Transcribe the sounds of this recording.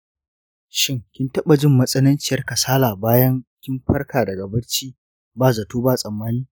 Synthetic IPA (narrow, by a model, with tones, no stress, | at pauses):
ʃɪ˦ŋkʲɪ˦ntɐ˦ɓa˨d͡ʒɪ˦mːɐ˦sʼɐ˦nɐ˦nt͡ʃɪ˦˨jɐ˦rkɐ˨saː˦laː˨baː˦jɐ˦ŋkʲɪ˦mɸɐ˦rkaː˨dɐ˨ɡɐ˨bɐ˦t͡ʃiː˦ | baː˦˨za˨tuː˦baː˦˨sʼɐ˨mːaː˦niː˦